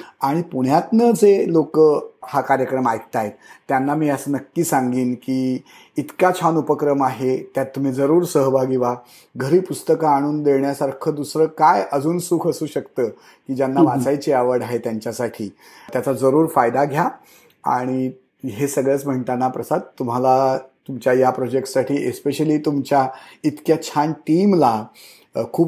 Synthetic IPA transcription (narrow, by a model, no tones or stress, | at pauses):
aɽ̃ipuɳ̤jat̪nəd͡zelokəhakaɾjəkɾəmajk̚t̪aet̪t̪ːjanːamiːəsənəkːiːsãŋɡiːnkiː | it̪kat͡ɕʰanupəkɾəmaɦet̪jat̪ːum̤iːd͡zəɾuːɾsəɦbʱaɡiʋa | ɡʱəɾiːpust̪əkaːɽ̃uːnd̪eɭɳjasaɾkʰəd̪usɾəːkajəd͡zuːnsukʰəsuːɕəkt̪əː | kiːd͡ʑjanːaʋat͡sajt͡ɕiaʋəɽaɦet̪jaɲt͡ɕjasaʈʰiː | t̪jat͡sad͡zəɾuːɾfajd̪aɡʱja | a̰ɽ̃i | ɦesəɡɭət͡sm̤əiɳt̪anapɾəsad̪̚t̪um̤alat̪umt͡ɕjajapɾɔd͡ʑek̚ʈsaʈʰiːʔespeɕəliːt̪umt͡ɕjait̪kjat͡ɕʰanʈiːmla | kʰuːp